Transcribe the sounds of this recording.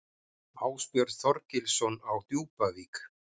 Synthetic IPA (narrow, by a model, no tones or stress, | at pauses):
aːwspjœɾθɔɾcɪlsɔnawθjuːpaviːk